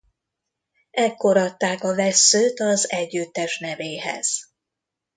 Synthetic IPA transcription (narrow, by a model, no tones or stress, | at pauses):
ɛkːo̞ɾɒt̪ːaːkɒvɛsːøːt̪ɒzɛɟːyt̪ːɛʃnɛveːɦɛ̰z̥